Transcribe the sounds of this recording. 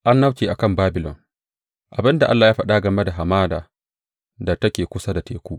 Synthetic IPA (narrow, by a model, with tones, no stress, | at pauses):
ʔa˦nːa˦wt͡ʃeː˨ʔa˨kɐ˦˨mbaː˦bɪ˨lɔ̰˨n | ʔa˨bɪ˦nda˨ʔa˦lːaː˨jaː˦ɸa˦ɗa˦ɡɐ˨me˦da˨ɦa˨maː˦daː˨ | da˨tɐ˦kʲeː˨kʷʊ˦sa˦da˨teː˨kʷuː˦ʔ